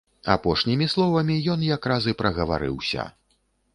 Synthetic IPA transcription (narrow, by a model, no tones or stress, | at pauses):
a̰pɔʂnʲimʲislˠɔvɐmʲijɔnjakɾazɨpɾɐɣɐva̰ɾɨ̰wsʲɐ̰